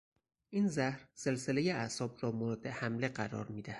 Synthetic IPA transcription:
ʔiːnzæhɾse̞lsele̞jeæsɒːbɾɒːmoɾɒːd̪ehæmle̞ɢæɾɒ̰ːɾmiːd̪æhæd̪̥

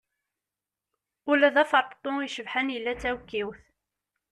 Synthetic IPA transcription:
ʊlæðæfəɾˤpt̪ˤoiʃəvħænjəlːæt͡sːæwkːiwθ

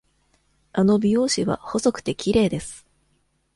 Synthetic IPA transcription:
ano̞bʲijo̞ːɕiβa̰ho̞so̞kɯ̟̥t̪e̞kʲiɾe̞ːd̪e̞sɨ̥

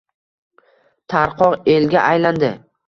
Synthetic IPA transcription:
t̪ʰaɾqʰɒʁelɡʲaʔajland̪ɪ

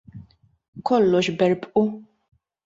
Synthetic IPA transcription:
kɔlːɔʃbɛɾpʔu

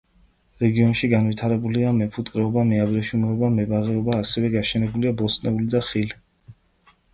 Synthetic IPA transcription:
ɾɛɡiɔnʃiɡanvit̪ʰaɾɛbuliamɛpʰut̪ʼkʼɾɛɔbamɛabɾɛʃumɛɔbamɛbaʁɛɔbaːsɛvɛɡaʃɛnɛbuliabɔsnɛulid̪aχili

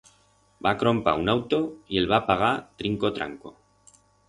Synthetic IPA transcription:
bakɾo̞mpa̰unawt̪o̞ie̞lβapaɣ̞aɾt̪ɾiŋko̞t̪ɾa̰ŋko̞̰

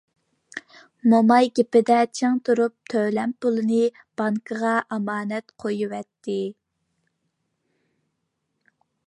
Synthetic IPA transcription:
momɑjɡʲepɪd̪ɛt͡ʃʰeŋt̪ʰuɾup̚t̪ʰølɛmpʊlˠɨnɨ | b̥ɑŋkʰəʁɑʔɑmɑːnɛt̪qʰojuwɛt̪ʰːɪ

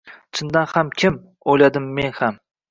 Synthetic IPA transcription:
t͡ʃʰɪnd̪anhamkʲʰɪm | ojlad̪ɪmːe̞nham

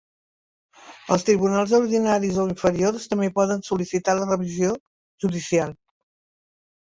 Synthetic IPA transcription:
əlˠst̪ɾiβunalˠzuɾðinaɾizoiɱfəɾiorst̪əmbepɔðənsulisit̪alərəβizio | ʒ̥uðisialˠ

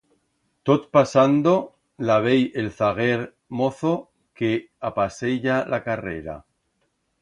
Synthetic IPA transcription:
t̪ot̪̚pasand̪o̞ | laβ̞ejelθaɣ̞eɾ | mo̞θo̞ | ke | apase̞ʎalʔakarḛɾa̰

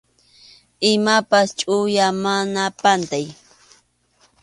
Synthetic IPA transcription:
ɪmapast͡ʃʼʊjamanapant̪aj

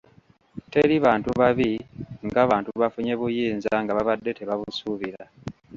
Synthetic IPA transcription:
te̞ɾiβaːntuβaβiŋɡaːβaːntuβafuɲe̞βujiːnzaŋɡaβaβadːe̞te̞βaβusuβiɾa

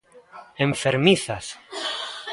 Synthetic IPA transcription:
eɱfeɾmiθas

